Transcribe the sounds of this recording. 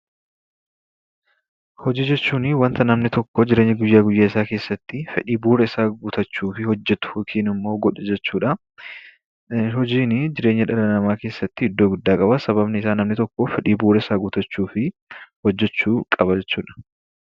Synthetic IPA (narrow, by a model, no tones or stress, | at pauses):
hɔd͡ʒiːd͡ʒɛt͡ʃːuːnɪwɐnt̪ɐnɐmnɪt̪ɔkːɔd͡ʒɪɾe̞ːɲːɐɡʊjːaːɡʊjːaːɪsaːke̞ːsːɐt̪ːɪfɛ̰ᶑiːbuːɾɛɪsaːɡʊt̪ɐt͡ʃːuːfɪhɔd͡ʒːɛt̪ʊ̥hʊkʰiːnɪmːo̞ːɡɔᶑɛd͡ʒɛt͡ʃːuːᶑɐ | ɦɔd͡ʒiːnɪd͡ʒɪɾe̞ːɲːɐᶑɐlɐnɐmaːke̞ːsːɐt̪ːɪɪd̪ːoːɡʊd̪ːaːkʼɐbɐsɐβɐbnɪɪsaːnɐmnɪt̪ɔkːɔfɛᶑiːbuːɾɛɪsaːɡʊt̪ɐt͡ʃːuːfɪhɔd͡ʒːɛt͡ʃːuːkʼɐbɐd͡ʒɛt͡ʃːuːᶑɐ̥